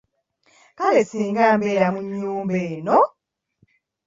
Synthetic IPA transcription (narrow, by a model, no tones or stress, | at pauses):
kalesiːŋɡaːmbeːɾamuɲːuːmbeːno